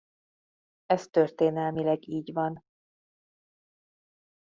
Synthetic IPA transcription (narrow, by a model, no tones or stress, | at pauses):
ɛst̪ørt̪eːnɛlmilɛɡiːɟvɒn